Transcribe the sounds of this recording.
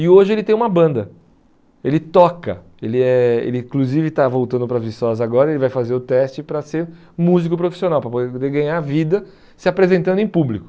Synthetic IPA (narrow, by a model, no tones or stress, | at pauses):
ɪoʒɪelɪt̪ẽj̃umɐbɐ̃nd̪ɐ | elɪt̪ɔkɐ̰ | elɪɛḛlɪĩkluzivɪt̪avowt̪ɐ̃nd̪ʊpɾɐvisɔzaɡɔɾɐelɪvajfazeɾʊt̪ɛst͡ʃɪpɾɐseɾ | muzikʊpɾofi̥sionawpɾɐpoed̪eɡɐ̃ɲaɾvid̪ɐ | sɪapɾezẽnt̪ɐ̃nd̪ẽj̃publikʊ̥